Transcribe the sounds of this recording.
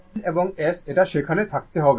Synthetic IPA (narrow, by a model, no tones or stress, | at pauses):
neboŋeseʈaʃekʰanet̪ʰak̚t̪eɦɔeɡ